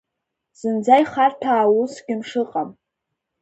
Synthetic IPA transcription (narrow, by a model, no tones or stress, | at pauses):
z̥ɨnd͡zajχartʰaːwusɡʲɪnʂɨqʼam